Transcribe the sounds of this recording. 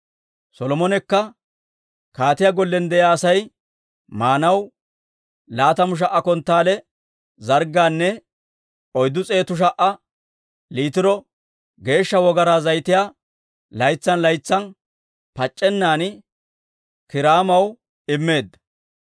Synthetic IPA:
sɔlɔmɔnɛkːɐ | kaːt̪ɪjaɡɔlːɛnd̪ɛjaːsɐj | maːnɐw | laːt̪ɐmʊʃ̬ɐʔɐkɔnt̪ːaːlɛ | zɐɾɡaːnːɛ | ɔjd̪ːʊt͡sʼe̞ːt̪ʊʃ̬ɐʔɐ | liːt̪ɪɾɔ | ɡe̞ːʃːɐwɔɡɐɾaːzɐjt̪ɪjaː | lɐjt͡sːɐnlɐjt͡sːɐn | pɐt͡ʃʼːɛnːaːn | kɪɾaːmɐw | ɪmːe̞ːd̪ːɐ̥

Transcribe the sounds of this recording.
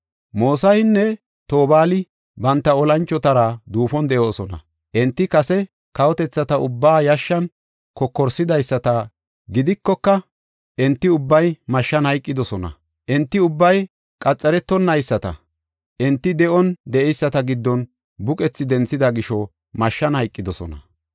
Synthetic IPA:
moːsɐhɪnːɛ | t̪o̞ːbaːlɪ | bɐnt̪ːɐɔlɐnt͡ʃːɔt̪ɐɾad̪uːfɔnd̪ɛʔo̞ːsɔnɐ̰ | ʔɛnt̪ːɪkɐsɛ | kɐwɔt̪ɛt͡sːɐt̪ɐʊbːaːjɐʃːɐn | kɔkːɔɾsɪd̪ɐjsːɐt̪ɐ | ɡɪd̪ɪkːɔkːɐ | ʔɛnt̪ːɪʊbːɐjmɐʃːɐnhɐjkʼːɪd̪ɔsɔnɐ̰ | ʔɛnt̪ːɪʊbːɐj | kʼɐt͡sʼːɛɾɛt̪ːɔnːɐjsːɐt̪ɐ̰ | ʔɛnt̪ːɪd̪ɛʔɔnd̪ɛʔɛjsːɐt̪ɐɡɪd̪ːɔn | bʊkʼɛt͡sːɪd̪ɛnt͡sːɪd̪ɐɡɪʃɔ | mɐʃːɐnhɐjkʼːɪd̪ɔsɔ̰nɐ̰

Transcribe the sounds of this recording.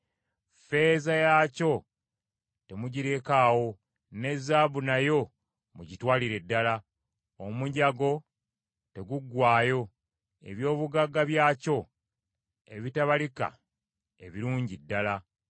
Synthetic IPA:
fe̞ːzajaːco̞ | te̞muɟiɾe̞kaːwo̞ | ne̞zːaːβunajo̞ | muɟitwaːliɾe̞dːala | omuɲɟaɡo̞ | te̞ɡuɡwaːjo̞ | e̞̰βjo̞ːβuɡaɡaβjaːco̞ | e̞̰βitaβalika̰ | e̞̰βiɾuːɲɟidːala

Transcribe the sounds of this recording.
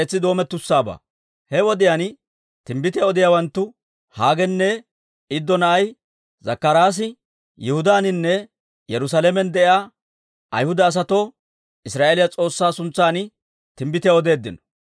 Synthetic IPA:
eːt͡sːɪd̪o̞ːmɛt̪ːʊsːaːba̰ː | hɛwɔd̪ɪjan | t̪ɪmbɪt̪ɪjɐɔd̪ɪjaːwɐnt̪ːʊ | haːɡɛnːɛ | ɪd̪ːɔnɐʔɐj | zɐkːɐɾaːs̬ɪ | jɛhʊd̪aːnɪnːɛ | jɛɾʊs̬ɐlɛmɛnd̪ɛʔjaː | ʔɐ̰jhʊd̪ɐːs̬ɐt̪o̞ː | ɪsɾaːʔelɪjɐt͡sʼo̞ːsːaːsʊnt͡sːaːnɪ | t̪ɪmbɪt̪ɪjaɔd̪e̞ːd̪ːɪnɔ̥

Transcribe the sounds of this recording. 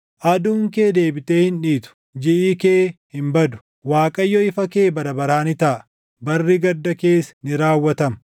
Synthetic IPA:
ʔɐd̪uːŋke̞ːd̪e̞ːbɪt̪eːhɪnᶑiːt̪ʊ̥ | d͡ʒɪʔiːkeːhɪmbɐd̪ʊ̥ | waːkʼɐjːɔɪfɐke̞ːbɐɾɐbɐɾaːnɪt̪ɐʔ | bɐrːiɡɐd̪ːɐke̞ːsnɪɾaːwːɐt̪ɐmɐ

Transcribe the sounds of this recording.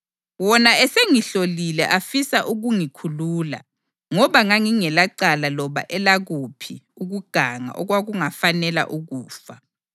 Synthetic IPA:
wɔnaɛseŋiɬolilɛ̰ʔafisaʔuɣuŋikʰuluːla̰ | ŋɔβaŋaŋiŋɛlaǀalalɔβa̰ʔɛlaɣupʰiuɣuɡ̥ʱaŋa̰ʔɔɣwaɣuŋafanɛla̰ʔuɣuːfa

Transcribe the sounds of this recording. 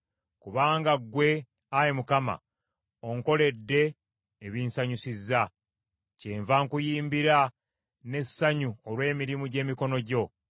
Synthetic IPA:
kuβaːŋɡaɡwe̞ | ajemukama̰ | oŋko̞le̞dːe̞ː | βinsaɲusizːa | ceːɱvaŋkujiːmbiɾa | ne̞sːaɲuolwe̞ːmiɾimuɟe̞ːmiko̞no̞ɟo̞

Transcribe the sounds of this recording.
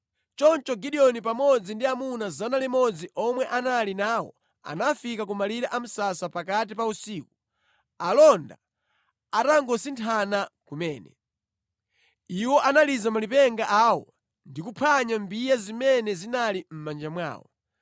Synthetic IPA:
t͡ʃɔnt͡ʃɔɡiɗiɔnipamɔd͡zindiamunazanalimɔd͡ziʔɔmwɛʔanalinaːwɔ̰ | a̰nafikak̬umaliɾaʔam̩sasapakat̬ipausiːku | alɔnda̰ | ataŋɡɔsintʰanakumɛːnɛ | iwɔʔanalizamalipɛŋɡaʔawɔ̰ | ndikupʰaɲambijazimɛnɛzinalim̩mand͡ʒamwa̰ːwɔ̰

